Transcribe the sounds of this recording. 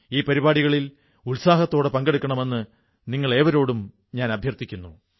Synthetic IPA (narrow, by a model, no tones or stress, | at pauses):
iːpɐɾibaːɽiɣɐɭil | ulsaːɦɐt̪ːo̞ːɽe̞pɐŋɡeɽukʲːɐɳɐme̞nːɨ | niŋːɐɭe̞ːʋɐɾo̞ːɽum | ɲaːnɐbʱjɐrt̪ikʲːunːu